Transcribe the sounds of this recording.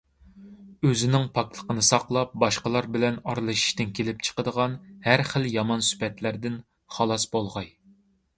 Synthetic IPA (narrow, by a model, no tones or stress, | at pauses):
øzɪnɪŋpʰɑk̚t̪ʰˠə̥qənɨsɑqlˠɑp̚bɑʃqəlˠɑɾbɪlɛnɑɾlˠɨʃi̥ʃt̪ɪnkʲʰelɪp̚t͡ʃʰə̥qəd̪əʁɑnhæɾχəljɑmɑnsy̥pɛt̪læɾd̪ɪn | χɑlˠɑsbolˠʁɑj